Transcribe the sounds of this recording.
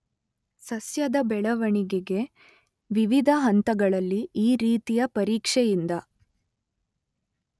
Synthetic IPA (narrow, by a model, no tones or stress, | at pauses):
sɐsjɐd̪ɐbɛɭɐʋɐɳiɡeɡe̞ | ʋiʋid̪ʱɐɦɐnt̪ɐɡɐɭɐlːiiːɾiːt̪ijɐpɐɾiːkʂɛjind̪ɐ